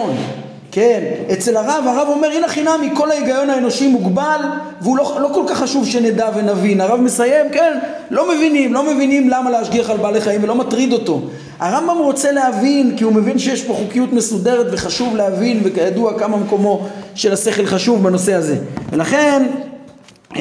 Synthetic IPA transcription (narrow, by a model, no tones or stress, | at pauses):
n | kenet͡se̞laʁavaʁavo̞meʁinaχinamiko̞laiɡajo̞naeno̞ʃimuɡbal | veulolo̞ko̞lkaχːaʃuvʃened̪ave̞navinaʁavme̞saje̞mken | lo̞me̞vinimlo̞me̞vinimlamaleaʃɡiaχalbaːleχaimvelo̞matʁid̪o̞to̞ | aʁambamʁo̞t͡se̞leavinkiume̞vinʃejɛʃpoχukijut̪me̞sude̞ʁet̪veχaʃuvleavinvekajaduakamameko̞mo̞ʃe̞lase̞χelχaʃuvbano̞se̞haze̞velaχe̞n